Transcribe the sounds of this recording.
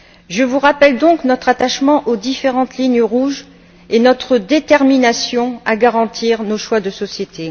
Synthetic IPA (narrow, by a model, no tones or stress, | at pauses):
ʒəvuʁapɛld̪ɔ̃knɔt̪χat̪aʃmɑ̃ʔod̪ifeʁɑ̃t̪liɲjəʁuʒ | enɔt̪χəd̪et̪ɛʁminasjɔ̃aɡaʁɑ̃t̪ʰiʁnoʃwad̪əsɔsjet̪ʰe